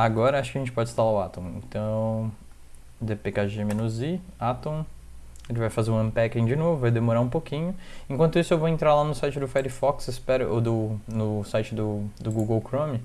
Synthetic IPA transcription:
aɡɔɾɐaʃʊkɪɐʒẽt͡ʃɪpɔd͡ʒɪist̪alaʊa̰t̪õw̃ẽnt̪ɐ̃w̃ | d̪epekaʒemẽnʊzi | at̪õw̃ | elɪvajfazeɾũɐ̃pɛkẽd͡ʒɪnovʊvajd̪emoɾaũpokĩɲʊẽkwɐ̃nt̪ʊisʊewvoẽnt̪ɾaɾlanʊsajt͡ʃɪd̪ʊfɛɾɪfɔksɪspɛɾʊʔod̪ʊnʊsajt͡ʃɪd̪ʊd̪ʊɡuɡowkɾõmɪ

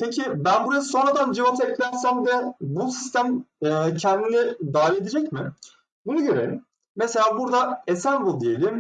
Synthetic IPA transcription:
pʰecʰibænbuɾasɯ̥so̞nɾad̪and͡ʒivat̪ʰɛc̪lʲæɾsæmvɛbusi̥st̪ʰæmɛːcʰɛnd̪inid̪aːvied̪ed͡ʒɛcmɪ | bunaɟøɾelʲim | mese̞lʲaːbuɾd̪aesænbulˠd̪ije̞lʲim

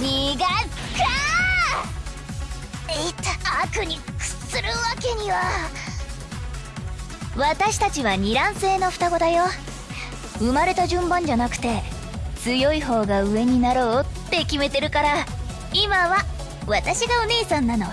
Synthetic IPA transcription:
ɲʲiɡaka | et̪ːaakɯ̟ɲ̟ʲikɯ̥t͡sɨɾɯβake̞ɲ̟iβa | βat̪aɕi̥t̪at͡ɕiβaɲ̟iɾãɰ̃se̞ːno̞ɸɯ̥t̪aɡo̞d̪ajo̞ | ɯ̟maɾe̞t̪aʑɨ̃mbãɲ̟d͡ʑanakɯ̟̥t̪e̞ | t͡sɨjo̞iho̞ːɡaɯ̟e̞ɲ̟inaɾo̞ːt̪ːe̞kʲime̞t̪e̞ɾɯ̟kaɾa | imaβa | βat̪aɕiɡaoneːsãnːano̞

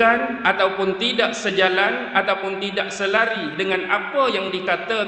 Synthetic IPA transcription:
anat̪awpʊnt̪idaʔsəd͡ʒalanat̪awpʊnt̪idaʔsəlaɾidəŋanapəjaŋdikat̪a

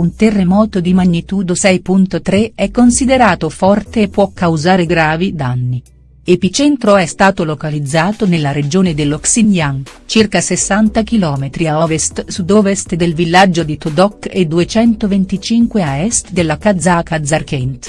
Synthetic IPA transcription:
unt̪erːemɔːt̪od̪imaɲːit̪ud̪osɛjpunt̪ot̪ɾeɛkːonsid̪eɾaːt̪ofɔrt̪eːpːwɔkːawzaːɾeɡɾaːvid̪anːi | epit͡ʃɛnt̪ɾoɛst̪aːt̪olokalid̪zːaːt̪onelːaɾed͡ʒoːned̪elːoksiɲjaŋt͡ʃirkasesːant̪akilɔːmet̪ɾiaɔvest̪sud̪ɔvest̪d̪elvilːad͡ʒːod̪it̪ud̪ɔked̪uet͡ʃɛnt̪ovent̪it͡ʃiŋkweaɛst̪d̪elːakad̪zakad̪zarkɛnt̪

